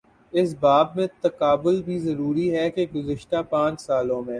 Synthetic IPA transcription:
ɪs̬baːbmẽt̪ɐkaːbʊlbʱizɐɾuːɾiɦɛkeɡʊzɪʃt̪apãːt͡ʃsaːlõmẽː

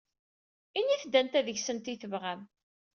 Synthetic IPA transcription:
inːiθd̪ːænt̪æðəçsənt̪iθəvʁæm

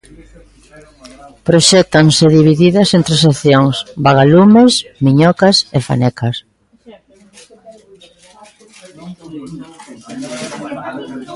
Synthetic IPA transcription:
pɾoʃɛt̪anseðiβiðiðɐsent̪ɾeseθjoŋsbaɣ̞alumesmiɲɔkasefa̰nɛkʰas

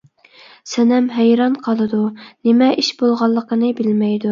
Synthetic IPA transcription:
sɛnɛmɦɛjɾɑnqʰɑlˠɨd̪unɪmɛʔiʃbolˠʁɑlˠːəqənɨbɪlmɛjd̪u

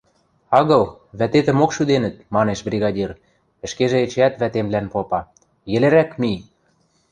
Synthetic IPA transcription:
ɑɣɤ̆lβæt̪et̪ə̆mokʃyd̪enə̆t̪̚mɑneʃbrʲiɣɑdʲir | ə̆ʃkeʒĕet͡ɕæt̪βæt̪emlænpopɑ | jɘ̆leɾækmi

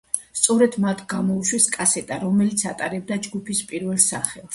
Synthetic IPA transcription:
st̪sʼɔɾɛd̪mat̪ʰɡ̥amɔuʃwɛskʼasɛt̪ʼaɾɔmɛlit̪sʰat̪ʼaɾɛb̚d̪ad͡ʒɡupʰispʼiɾvɛlˠsaχɛlˠs

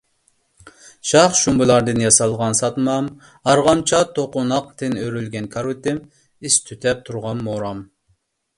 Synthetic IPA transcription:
ʃɑχʃumbɨlˠɑɾd̪ɨnjɑsɑlˠʁɑnsɑt̪mɑm | ɑɾʁɑmt͡ʃʰɑt̪ʰoqʊnɑq̚t̪ʰɪnøɾylɡʲɛnkʰɑɾut̪ɪm | ist̪ʰyt̪ʰɛp̚t̪ʰuɾʁɑnmoɾɑm

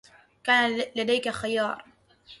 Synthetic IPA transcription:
kaːnalad̪ajkaxajɑːɾˤ

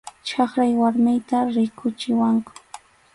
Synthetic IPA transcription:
t͡ʃɑχɾajwaɾmɪjt̪aɾɪkʊt͡ʃɪwaŋkʊ̥

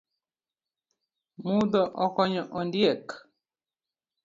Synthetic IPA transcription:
mud̪ɔʔɔkɔɲɔʔɔndjɛk

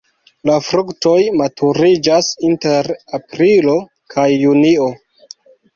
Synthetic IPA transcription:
lafɾukto̞jmatʰuɾid͡ʒasinte̞ɾapɾilo̞ | kʰajːunio̞

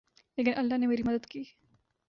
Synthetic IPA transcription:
eɡɐnʔɐlːaːnemeɾimɐd̪ɐd̪kiː

